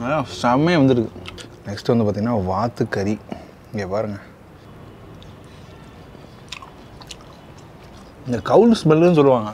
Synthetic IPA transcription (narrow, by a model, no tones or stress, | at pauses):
sɐmɐjɐ̃ʋɐnd̪ɯɾɯkːɯnɛksʈɯʋɐnd̪ɯpaːt̪iŋɡɐnːaːʋaːt̪ːɯkːɐɾi | ɪŋɡeːpaːɾɯŋɡɐ | ɪnd̪ɐkɐʊlsmɛlɯnɯs̬ɔlːɯʋaːŋɡɐ